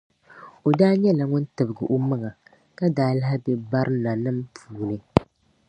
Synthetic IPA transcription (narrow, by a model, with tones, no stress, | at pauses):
o˨daː˦ɲɛ˦la˨ŋʊ˦n˦tɨ˨bɨ˨ɡɨ˨ʔo˦mɨ˦ŋa˨ | ka˦daː˨˦la˦ɦa˦bɛ˦ba˦ɾʔɨ˦na˨nɨ˦mpʰuː˨nɨ˨